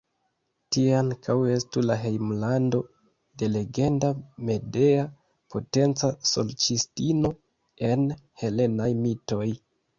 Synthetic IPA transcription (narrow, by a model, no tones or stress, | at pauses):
tieaŋkʰawe̞stulaɦe̞jmlando̞ | de̞le̞ɡe̞ndame̞de̞a | pʰo̞te̞nt͡saso̞̰lt͡ʃistino̞ | e̞nhe̞le̞najmito̞j